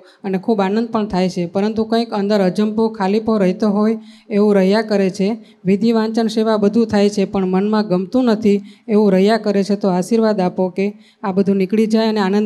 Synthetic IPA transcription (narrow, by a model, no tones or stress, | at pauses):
ənekʰubanənd̪̚pəɳt̪ʰajt͡ʃʰepəɾənt̪ukə̃ĩkənd̪əɾəd͡ʒəmpokʰalipoɾəɦit̪oɦojeʋũɾəɦjakəɾet͡ʃʰe | ʋid̪ʱiʋãɲt͡ʃəɳʃeʋabəd̪ʱũt̪ʰajt͡ʃʰepəɳmənmãɡəmt̪ũnət̪ʰieʋũɾəɦjakəɾet͡ʃʰet̪oaʃiɾʋad̪apoke | abəd̪ʱũnikɭid͡ʒajəneanən